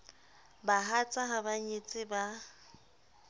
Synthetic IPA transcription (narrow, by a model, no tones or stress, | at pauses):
baɦat͡sʼaɦabaɲet͡sʼɪba